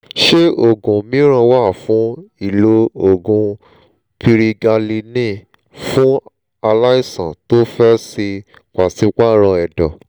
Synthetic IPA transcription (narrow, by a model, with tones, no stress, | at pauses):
ʃe˦o˦˨ɡũ˨mĩ˨˦ɾ̃ã˧wa˦˨fũ˨˦i˦˨lo˧o˨ɡũ˧ | pʰi˧ɾi˧ɡa˧li˧nĩ˦˨ | fũ˦ | a˧la˦i˦sã̰˨to˦fɛ˦si˧ | ka˨si˨˦ka˦ɾɔ̃˧ɛ˨dɔ˨